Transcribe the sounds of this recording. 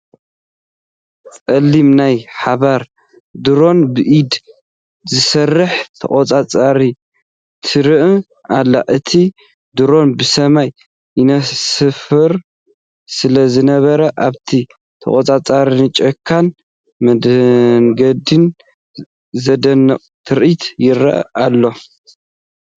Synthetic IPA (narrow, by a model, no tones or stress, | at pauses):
t͡sʼɐlːimnajħaβaɾ | d̪ɨɾo̞nbɨʔid̪ | zɨsɐrːɨħt̪ʰɐ̰χʼot͡sʼat͡sʼaɾi | t̪ʰɨɾɨʔ | ʔalːa̰ʔɨt̪ʰi | d̪ɨɾo̞nbɨsɐmaj | ʔinɐsɨfɨɾ | sɨlɐzɨnɐβɐɾɐʔaβt̪ʰi | t̪ʰɐ̰kʼot͡sʼat͡sʼaɾinɨt͡ʃʼɐkʰːan | mɐd̪ŋɡɐd̪in | zɐd̪ɐnːɐqʼt̪ʰɨɾʔit̪ʰjɪɾɐ̰ʔʔalːo̞